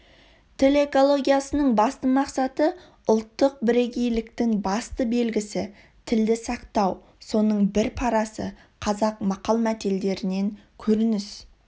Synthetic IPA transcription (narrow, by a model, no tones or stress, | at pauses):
t̪ʰɪle̞ko̞lˠo̞ɡʲijasənəɴbɑst̪əmɑqsɑt̪ə | ʊlˠt̪ːəq̚bɪɾeɡʲijlɪkt̪ɪŋbɑst̪əbe̞lɡʲɪsɪ | t̪ʰɪld̪ɪsɑqt̪ɑw | so̞nəɴbɪɾpʰɑɾɑsə̰ | qʰɑzɑqmɑqɑlˠmæt̪e̞ld̪e̞ɾɪne̞ŋkʲʰɵɾɪnɪs